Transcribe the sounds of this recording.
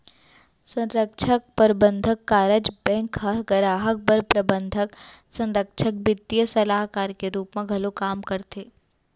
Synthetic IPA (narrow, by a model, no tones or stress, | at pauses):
sɐ̃nɾəkʃʰək̚pəɾbə̃nd̪ʱəkːaːɾəd͡ʒbɛ̃ːŋkhɐɦɡəɾaːɦək̚bəɾpɾɐbə̃nd̪ʱəksɐ̃nɾəkʃʰək̚bɪt̪ːijəsɐlaːɦkaːɾkeɾuːpmẽɡʱɐlokaːmkɐɾt̪eː